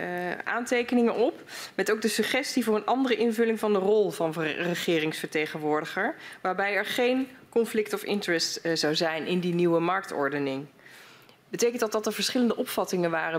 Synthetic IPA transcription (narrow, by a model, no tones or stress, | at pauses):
ʔa̰ːntejkənɪŋənʔɔp | mɛtowk̚dəsɵχɛstivʊːrənʔɑndərəʔɪnvɵlɪŋvɑndərɔlˠvɑnrəχɪːrɪŋsfəɹtejχənʋʊːɹdəχəɹʋaːɹbɛjɛɹχejnkɔnflɪktɔfɪ̰ntəɹɛstz̥ɑwzɛjnʔɪndiniwəmɑɹk̚tɔ̰ɹdənɪŋ | bətejkəntdɑtdɑtəɹvəɹsχɪləndəʔɔpfɑtɪŋənʋaːrə